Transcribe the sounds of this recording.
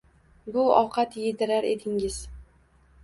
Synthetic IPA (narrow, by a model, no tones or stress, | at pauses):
bʊɒqʰɑt̪jɪd̪ɪɾaɾe̞t̪ʰɪŋɪz̥